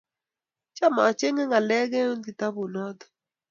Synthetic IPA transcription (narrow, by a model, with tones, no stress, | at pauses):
t͡ʃa˦ma˨t͡ʃe˦ŋɛ˦ŋa˨lɛ˦ɡɛ˦u˦ndi˨t̪a˦bu˨nɔ˦d̪ɔ̥˨